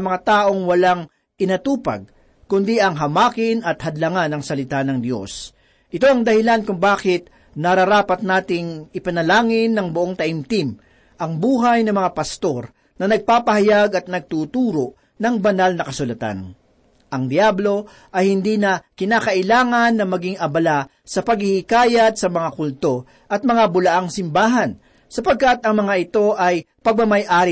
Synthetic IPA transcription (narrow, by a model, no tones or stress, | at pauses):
ɐmɐŋat̪aːʔo̞ŋwɐlaŋ | ʔɪnɐt̪uːpɐ̰ɡ̚ | kʊnd̪iʔɐŋɦɐmaːkɪnɐt̪hɐd̪lɐŋanɐŋsɐlɪt̪anɐŋd̪jo̞̰s | ʔɪt̪o̞ɐŋd̪ɐhɪlankʊŋbaːkɪt̪̚ | nɐɾɐɾaːpɐt̪̚naːt̪ɪŋɪpɐnɐlaːŋɪnːɐŋbʊʔoŋt̪ɐʔɪmt̪im | ʔɐŋbuːɦɐjnɐmɐŋapɐst̪o̞ɾ | nɐnɐɡ̚paːpɐhɐjaɡɐt̪̚nɐɡ̚t̪uːt̪uːɾo̞ | nɐŋbɐnalnɐkɐsʊlɐt̪a̰n | ʔɐŋd̪jablo̞ | ʔɐjhɪnd̪iːnɐkɪnaːkɐʔɪlaːŋɐnːɐmɐɡiŋɐbɐla | sɐpɐɡhɪhikaːjɐd̪̚sɐmɐŋakʊlt̪o̞ | ʔɐt̪̚mɐŋabʊlɐʔaŋsɪmbaːɦɐn | sɐpɐɡ̚kat̪ɐŋmɐŋaʔɪt̪o̞ʔɐj | pɐɡ̚mɐmɐjʔaːɾɪ